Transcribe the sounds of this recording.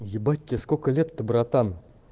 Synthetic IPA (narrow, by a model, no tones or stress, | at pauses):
jɪbat̚ʲːeskokəlʲet̪ːəbɾɑt̪ɑn